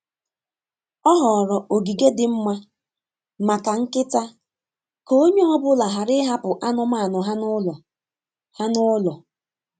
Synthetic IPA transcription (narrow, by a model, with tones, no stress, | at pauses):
ɔ˦ɦɔ˨ɾɔ˨ʔo˨ɡi˨ɡe˦dɪ˦m̩˦ma˦ | ma˨ka˨ŋ̩˦kɪ˦ta˦ | ko˦ɲe˦ɔ˦bʊ˦la˨ɦa˨ɾɪ˦ɦa˦pʊ˨ʔa˦nʊ˦ma˦˨nʊ˨ɦa˦nʊ˦lɔ˨ | ha˦nʊ˦lɔ˨